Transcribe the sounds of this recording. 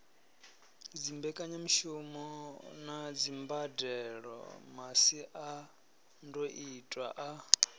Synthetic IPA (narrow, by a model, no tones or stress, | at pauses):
d͡zimbɛkʼaɲamiʃumɔnad͡zimbadɛɺɔ̰masiʔa | ndoʔitʼwaʔa